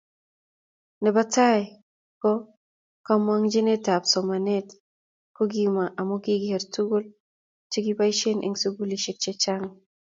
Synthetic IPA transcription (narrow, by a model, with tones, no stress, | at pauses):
nɛ˨ba˦ta˦j | kɔ˦ | kamwa˦ŋd͡ʒe˦ne˦ta˨psɔ˨ma˨ne˦t | ko˦ɡima˨ʔa˨mo˦ɡi˦ɡihe˨ɾtu˦ɡo˦l | t͡ʃi˦ɡi˦ba˦i˦ʃe˦nʔḛ˨ŋso˦bu˦li˨ʃe˦t͡ʃɛ˦t͡ʃa˦ŋ